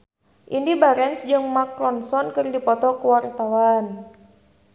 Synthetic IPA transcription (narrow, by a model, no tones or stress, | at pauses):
ʔindibaɾɛnsd͡ʒɨŋmaklɔnsɔnkɨrdipɔt̪ɔkəwaɾit̪awan